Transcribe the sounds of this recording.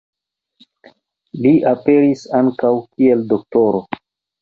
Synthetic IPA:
liʔape̞ɾisaŋkawkie̞ldo̞k̚to̞ɾo

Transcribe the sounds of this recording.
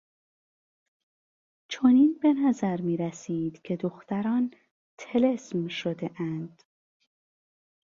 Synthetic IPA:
t͡ʃʰo̞niːnbe̞næzæɾmiːɾæsiːd̪̥cʲʰe̞d̪oxt̪æɾɒːn | t̪ʰe̞lesmʃod̪e̞ʔænd̪̥

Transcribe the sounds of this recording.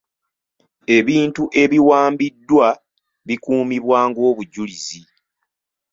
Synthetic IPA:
e̞βiːntuʔe̞βiwaːmbidːwa | βikuːmiβwaːŋɡo̞ːβuɟulizi

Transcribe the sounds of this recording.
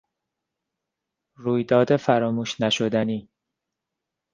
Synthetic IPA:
ɾuːjd̪ɒːd̪efæɾɒːmuːʃnæʃo̞d̪æniː

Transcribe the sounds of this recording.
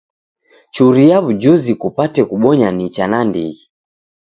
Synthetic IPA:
t͡ʃuɾijaβud͡ʒuzikupatɛkuɓɔɲanit͡ʃanandḭi

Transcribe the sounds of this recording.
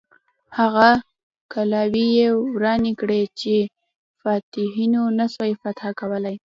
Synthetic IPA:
haɣa | kalɑwijewɾɑnekɽet͡ʃe | fɑt̪ɪɦinonasajfat̪akawəlaj

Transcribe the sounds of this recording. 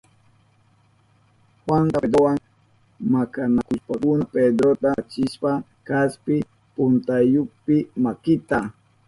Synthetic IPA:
xwant̪ad̪ɾowaŋ | makanakʊʃpakʊnaped̪ɾot̪at͡ʃɪʃpa | kaspɪ | pʊnt̪ajopɪmakɪt̪a

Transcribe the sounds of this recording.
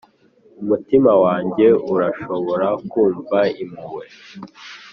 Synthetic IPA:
umutimawaːɲɟe̞uɾaʃo̞βo̞ɾakuːɱvaimiwe

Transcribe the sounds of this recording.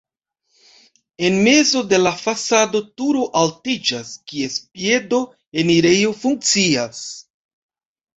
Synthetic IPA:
e̞nme̞zo̞de̞lafasado̞tuɾoʔaltid͡ʒaskie̞spje̞do̞ | e̞niɾe̞jofuŋk̚t͡sias

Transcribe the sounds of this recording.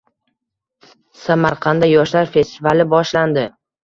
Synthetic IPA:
samaɾqʰɑnd̪ajɒʃlaɾfe̞st̪ɪvalɪbɒʃland̪ɪ

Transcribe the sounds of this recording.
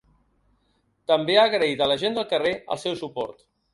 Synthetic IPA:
t̪əmbeaɣɾəit̪ələʒend̪əlˠkəreə̰lˠsɛwsupɔ̰ɾt̪

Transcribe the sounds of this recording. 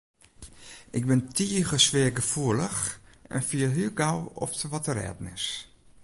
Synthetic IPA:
ɪɡ̚bɪntʰiːɣəsʋɪəɡəfuələxɛ̰nfiəlɦyɡawɔ̰ptəʋɔtəɾɛ̰ːdn̩ɪ̰s

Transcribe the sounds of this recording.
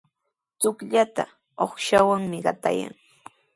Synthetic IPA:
t͡sʊkʎat̪a | oχʃawaŋmɪɢɑt̪a̰ja̰ŋ

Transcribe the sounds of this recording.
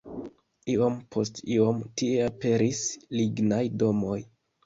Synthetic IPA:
io̞mpʰo̞stio̞mtie̞ape̞ɾisliɡnajdo̞mo̞j

